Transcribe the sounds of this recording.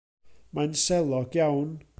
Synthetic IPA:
majnsɛlˠɔɡ̥jawn

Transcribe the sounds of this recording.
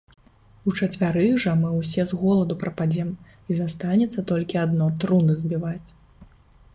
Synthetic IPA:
ut͡ʂɐt͡sʲvʲaɾɨʐɐmɨwsʲɛzɣɔlˠɐd̪upɾɐpad͡zʲɛm | izast̪anʲɛt̪sːɐt̪ɔlʲkʲiad̪nɔt̪ɾunɨzʲbʲivat͡sʲ

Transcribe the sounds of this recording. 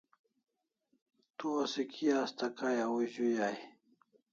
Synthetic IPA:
t̪uasikʰiaːst̪akajawuʑujaj

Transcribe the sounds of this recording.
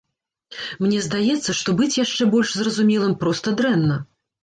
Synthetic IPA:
mnʲɛzd̪ajɛt̪sːɐʂt̪ɔbɨt͡sʲjaʂt͡ʂɛbɔlʲʂzrɐzumʲɛlˠɨmpɾɔst̪ɐd̪ɾɛnːɐ

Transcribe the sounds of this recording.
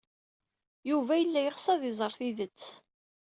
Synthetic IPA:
juvæjəlːæjəχsˤɑðɪzˤəɾˤθiðət͡sː

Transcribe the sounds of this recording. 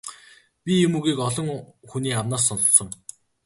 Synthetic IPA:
pʲijɵmɵɣiːkɔɮɞ̆ŋxuniːawmnaːs̬ːɔnɞ̆tsɞ̆ŋ

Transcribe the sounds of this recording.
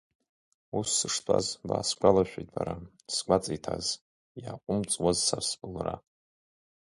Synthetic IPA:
usːɨʂtʰʼa̰zba̰ːsɡʷalaʃᶣejtʼbaɾa | sɡʷat͡sʼijtʰaz | jaqʷʼʊmt͡sʼwazsasbɨlra

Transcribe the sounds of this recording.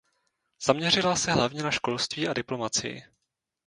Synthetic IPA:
z̥amɲɛr̝ɪlasɛɦlavɲɛnaʃko̞lst̪viːʔadɪplo̞mat͡sɪ̰jɪ̰

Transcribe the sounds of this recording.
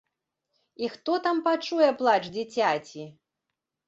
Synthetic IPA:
ixt̪ɔt̪ampat͡ʂujɛplˠat͡ʂd͡zʲit͡sʲat͡sʲi

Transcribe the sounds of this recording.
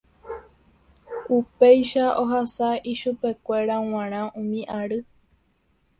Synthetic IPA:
upejʃaʔoɦasaiʃupe̞kʷe̞ɾaw̃ãɾ̃ãũmĩʔaɾɨ

